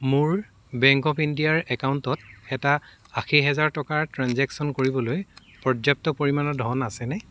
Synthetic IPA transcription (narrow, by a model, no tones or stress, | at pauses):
muɹ | bɛŋkɔpʰindijaɹɛkawntɔtɛta | axiɦɛzaɹtɔkaɹtɹanzɛksɔnkoɹibɔloj | pɹɔd͡ʒjap̚tɔpoɹimanɔdʱɔnasɛnɛ